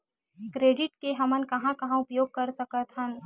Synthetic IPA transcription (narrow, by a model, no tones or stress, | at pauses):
kɾeːɖɪʈkeɦɐmənkɐɦãkɐɦãʊpjoːɡ̚kɐɾsɐkət̪ɦən